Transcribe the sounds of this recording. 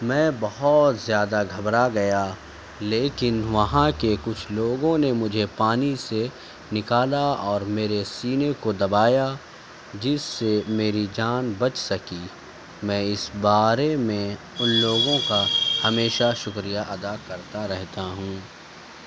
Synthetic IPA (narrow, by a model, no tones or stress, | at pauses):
mɛ̃ːbɐɦɔt̪zjaːd̪aɡʱɐbɾaɡɐja | leːkɪnʋɐɦãkekʊt͡ʃʰloːɡõnemʊd͡ʒʱepaːnise | nɪkaːlaɔːɾmeːɾesiːnekod̪ɐbaːja | d͡ʒɪsːemeːɾid͡ʒaːnbɐt͡ʃsɐki | mɛ̃ːɪsbaːɾemẽ | ʊnloːɡõkahɐmeːʃaʃʊkɾijaʔɐd̪akɐɾt̪aɾɛɦt̪aɦũː